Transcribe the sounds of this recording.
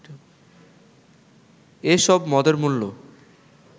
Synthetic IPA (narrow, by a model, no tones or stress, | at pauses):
eʃɔbmɔd̪oɾmulːo